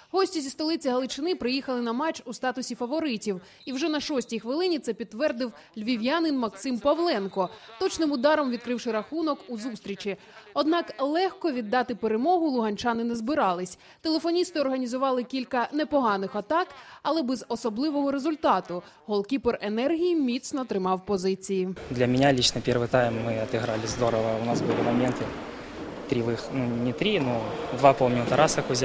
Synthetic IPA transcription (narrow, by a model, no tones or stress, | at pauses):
ɦɔsʲtʲizʲist̪ɔlˠɪt͡sʲiɦɐlˠɪt͡ʃɪnɪpɾɪjixɐlˠɪnɐmɑt͡ʃust̪ɑt̪ʊsʲifɐʋɔɾɪtʲiw | iwʒɛnɐʃɔsʲtʲijxʋɪlˠɪnʲit̪sɛpʲid̪ːʋɛrd̪ɪw | lʲʋʲiʋʲjanɪnmɐksɪmpɐʋlˠɛnkɔt̪ɔt͡ʃnɪmʊd̪ɑɾɔmʋʲid̪̚kɾɪwʃɪɾɐxunɔkuzust̪ɾʲit͡ʃʲi | ɔd̪nɑklˠɛxkɔʋʲid̪ːɑt̪ɪpeɾemɔɦʊlˠʊɦɐnʲt͡ʃɑnɪnezbɪɾɑlˠɪsʲ | t̪elˠe̞fɔnʲist̪ɪɔrɦɐnʲizʊʋɑlˠɪkʲilʲkɐnepɔɦɑnɪxɐt̪ɑkɐlˠɛbɛzɔsɔblˠɪʋɔɦɔɾezʊlʲt̪ɑt̪ʊ | ɦɔlˠkʲiperenɛrɦʲijimʲit̪snɔt̪ɾɪmɑwpɔzɪt͡sʲijid̪lʲɐmʲɪnʲalʲit͡ʃnɔpʲɛrʋɨt̪ajmːɪɐt̪ɪɦɾalʲɪzd̪ɔɾɔʋɐʊnɑsbɨlʲɪmɐmʲent̪ɪ | t̪ɾʲiʋɪxnunʲɪt̪ɾʲinud̪ʋɑpɔlˠmʲinut̪ɐɾasɐkʊzʲ